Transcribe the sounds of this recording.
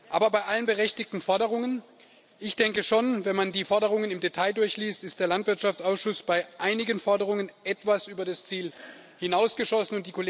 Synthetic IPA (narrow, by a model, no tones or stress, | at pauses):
ʔaːbɐbaɪʔalənbəʁɛçtɪk̚tn̩fɔɐdəʁ̞ʊŋən | ʔɪçd̥ɛŋkəʃonvɛnmandiːfɔɐdəʁʊŋənɪmdetʰaɪdʊɐçliːstɪst̚d̥eːɐlantv̥ɪɐtʃaftt͡saʊsʃʊsb̥aɪʔaɪnɪɡənfɔɐdəʁ̞ʊŋənʔɛtv̥asʔyːbɐdast͡siːl | hɪnaʊsɡ̥əʃɔsn̩ʊntd̥iːkʰole